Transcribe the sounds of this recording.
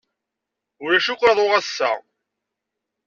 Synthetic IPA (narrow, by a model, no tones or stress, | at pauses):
ʊɾæʃukʷːɾɑðˤoʁæsːæ̰